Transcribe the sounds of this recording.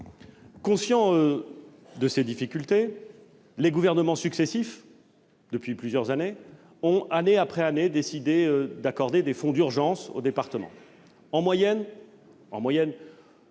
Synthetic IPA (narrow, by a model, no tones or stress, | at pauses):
kɔ̃sjɑ̃ø | d̪əsed̪ifikʲylt̪e | leɡuvɛʁnəmɑ̃syksesif | d̪əpɥiplyzjœʁzane | ɔ̃aneapχɛaned̪esid̪eød̪akɔʁd̪ed̪efɔ̃d̪yʁʒɑ̃so̰d̪epaʁt̪əmɑ̰̃ | ɑ̃mwajɛn | ɑ̃mwajɛn